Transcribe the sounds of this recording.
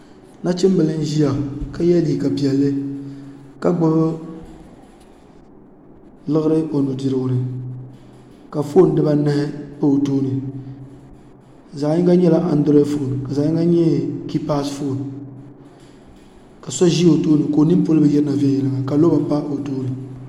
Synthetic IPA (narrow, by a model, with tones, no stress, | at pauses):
na˦t͡ʃɪ˦m˦bɨ˨lɨ˦n˦ʒi˦ja˨ka˦jɛ˦li˨ka˨bi˨ɛ˨lːɨ˦ | ka˦ɡ͡bɨ˦βɨ˦ | lɨ˦ɣɨ˦ɾɨ˦ʔo˨nu˨di˨ɾɨ˨ɡʊ˨nɨ˨ | ka˨fo˦n˦dɨ˦ba˦nɨ˦hɪ˦po˦o˨toː˦nɨ˨ | za˨ji˦ɡa˦ɲɛ˦la˦ʔa˨ndɾɔ˦fo˦˨n˨ka˨zaː˨ɲĩ˦ŋɡa˦ɲɛ˦ki˦pa˦sfo˦˨n | ka˨sɔ˦ʒi˦o˨toː˦nɨ˨ko˨ni˦m˦po˦lɨ˦bɨ˦jɛ˦ɾɨ˦na˨vɛ˦jɛ˨lɨ˨ŋa˨ka˨lo˦ba˨˦pa˦ʔo˨toː˦nɨ˨